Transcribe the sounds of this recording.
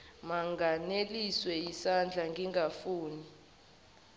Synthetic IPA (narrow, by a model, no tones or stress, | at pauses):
maŋɡaneliswɛjisand͡ɮʱaŋɡʱiŋɡafuːni